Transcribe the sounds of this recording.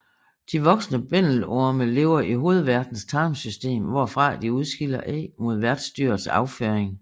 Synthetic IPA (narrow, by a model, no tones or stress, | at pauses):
d̥iʋɒ̽ɡ̥snəb̥en̰l̩oɐməle̝̰ːʊɐʔiɦo̝ːð̞̩ˠʋæɐd̥n̩st͡sʰɑ̈ːmsysd̥e̝̰ːmʋɒ̰ːfʁɑ̈d̥iuð̞ˠsɡ̥ilɐʔɛ̰mo̝ð̞ˠʋæɐd̥sd̥yːɐsɑ̈ʊføːɐeŋ